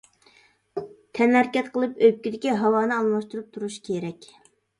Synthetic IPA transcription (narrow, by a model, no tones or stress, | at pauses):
t̪ʰɛnhæɾkʲɛt̪qʰəlˠɨpøkʲid̪ɪkʲiɦɑwɑːnɨɑlˠmɑʃt̪uɾup̚t̪ʰuɾuʃkʲʰeɾɛkʲ